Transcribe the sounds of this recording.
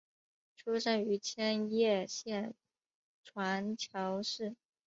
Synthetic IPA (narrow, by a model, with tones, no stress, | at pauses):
ʈ͡ʂʰu˥ʂə˥ny˧˥t͡ɕʰjɛ˥njɛ˥˧ɕjɛ˥˩n | ʈ͡ʂʰwa˧˥nt͡ɕʰjɑ˧˥ʊʂɻ̩˥˩